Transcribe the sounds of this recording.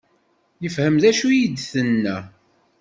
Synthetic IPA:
jəfhəmðæʃujid̪θənːæ

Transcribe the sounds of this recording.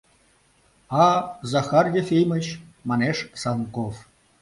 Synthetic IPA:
ɑzɑxɑrjefʲejmə̆t͡ɕmɑneʃsɑnkof

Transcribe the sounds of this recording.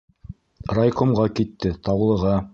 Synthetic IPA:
rajkomʁɑkit̪ːɘt̪ɑwlˠɤ̆ʁɑ

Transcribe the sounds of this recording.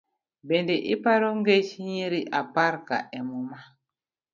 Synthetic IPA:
bɛndɛʔipaɾɔŋɡet͡ʃiɲiɾiʔapaɾka̰ʔɛmuma

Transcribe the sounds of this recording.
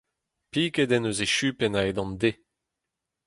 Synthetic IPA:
piːked̪ɛnøzeʃypɛnaed̪ɑ̃nd̪e

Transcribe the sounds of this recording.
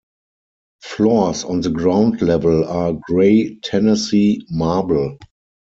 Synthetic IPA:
flɔsɔ̃nðəɡɹãʊ̃ndlɛvəlaɡɹeɪtʰɛnəsimaːbəl

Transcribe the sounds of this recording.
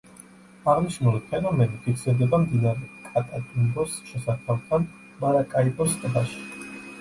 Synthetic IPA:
aʁniʃnulipʰɛnɔmɛnipʰiksiɾd̪ɛbamd̪inaɾɛkʼat̪ʼakʼinbɔsʃɛsatʰalˠt̪ʰan | maɾakʼaibɔst̪ʼbaʃi̥

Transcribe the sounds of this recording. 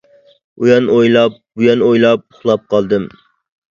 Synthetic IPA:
ujɑnojlˠɑp̚bujɑnojlˠɑp̚ʊχlˠɑp̚qʰɑlˠd̪ɨm

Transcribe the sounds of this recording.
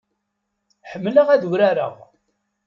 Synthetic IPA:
ħəmːləʁæðuɾaɾə̰ʁ

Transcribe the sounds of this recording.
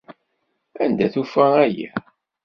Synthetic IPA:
ænd̪æθufææjæ

